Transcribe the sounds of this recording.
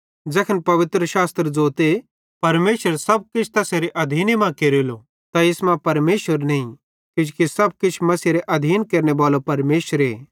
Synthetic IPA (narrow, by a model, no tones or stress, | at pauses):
d͡zɛkʰənpɐʋɪt̪ɾəʃaːst̪ɾəd͡zoːt̪e | pɐɾmeːʃəɾsɐb̚kɪt͡ʃʰt̪ɐseɾeʔɐd̪ʱiːnemãkeːɾeːlo | t̪aɪsmãpɐɾmeːʃʋəɾnɐĩ | kɪd͡ʒkisɐb̚kɪt͡ʃʰmɐseɾeʔɐd̪ʱiːnkeːɾnebaːlopɐɾmeːʃəɾeː